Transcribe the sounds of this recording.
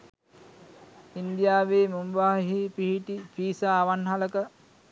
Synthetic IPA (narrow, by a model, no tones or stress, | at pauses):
ind̪ijaːʋeːmumʋaːɦipiɦiʈipiːsaːʋanɦaləkə